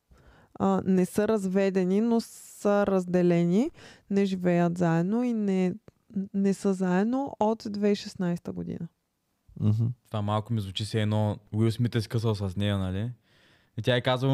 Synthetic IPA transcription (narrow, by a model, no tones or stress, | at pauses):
ənɛsəɾɐzvɛd̪ɛninosəɾɐzd̪ɛlɛninɛʒivɛjət̪zaɛd̪noinɛ | nɛsəzaɛd̪noʔot̪d̪vɛiʃɛsnajst̪əɡod̪ḭnə | ɦ̩t̪ovamalˠkʊmizvut͡ʃisɛɛnɔwismit̪ɛskəs̬əlˠsɐznʲɛjənɐli | it̪ʲjaɛkazvə